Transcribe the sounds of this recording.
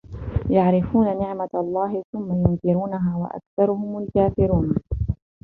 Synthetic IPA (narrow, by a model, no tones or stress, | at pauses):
jaʕɾɪfuːnanɪʕmaɑlˤːɑːhɪθʊmːajʊnkɪɾuːnaɦaːwa̰ʔa̰kθɑɾˤʊhʊmalkaːfɪɾuːn